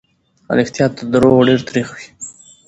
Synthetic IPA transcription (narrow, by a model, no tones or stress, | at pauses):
a̰lɪxt̪ijɑt̪ːəd̪ɾoɖeɾt̪aɾixwi̥